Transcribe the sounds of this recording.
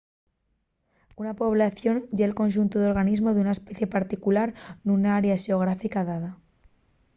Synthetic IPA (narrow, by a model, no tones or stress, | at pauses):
unapo̞β̞laθjo̞nɟ͡ʝeːlko̞nʃ̬unt̪oðo̞ɾɣ̞anizmo̞ðeunae̞speθje̞paɾt̪ikulaɾnunaaɾeaʃeo̞ɣ̞ɾafikaðaða